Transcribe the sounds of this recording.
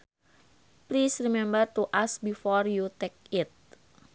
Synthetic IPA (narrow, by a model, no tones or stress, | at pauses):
plisrimɛ̃mbərt̪uʔasbifɔrjut̪ɛk̚ɪt̪̚